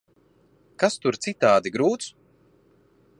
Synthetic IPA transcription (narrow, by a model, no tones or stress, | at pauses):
kast̪uɾt̪sit̪aːd̪iɡɾuːt̪s